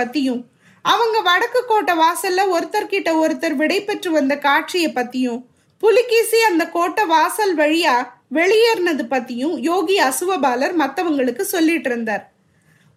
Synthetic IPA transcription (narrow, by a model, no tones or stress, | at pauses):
ɐt̪ːɪjɯ̃ | ɐʋɐŋɡɐʋɐɽɐkːɯkːoːʈːɐʋaːsɐlːɐɔɾɯt̪ːɐɾkɪʈːɐɔɾɯt̪ːɐɾʋɪɽɐɪpɛʈrɯʋɐnd̪ɐkaːʈʂɪjɐpːɐt̪ːɪjɯ̃ | pʊlɪkːiːsiɐnd̪ɐkoːʈːɐʋaːsɐlʋɐɻɪjaː | ʋɛɭɪjeːɾnɐðɯpɐt̪ːɪjɯ̃joːɣiɐsɯʋɐbaːlɐɾmɐt̪ːɐʋɐŋɡɐɭɯkːɯsɔlːɪʈːɪɾɯnd̪aːɾ